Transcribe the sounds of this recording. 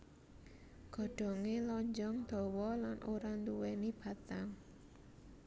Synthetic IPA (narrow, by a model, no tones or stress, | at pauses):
ɡ̥ɔ̤ɖ̥ɔ̤ŋelɔɲd͡ʒɔŋd̪̥ɔ̤wɔlanʔoɾant̪uwɛnib̥ä̤t̪aŋ